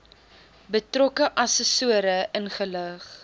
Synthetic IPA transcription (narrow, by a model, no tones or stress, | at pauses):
bətrɔkəʔɐsəsuəɾəʔənχələχ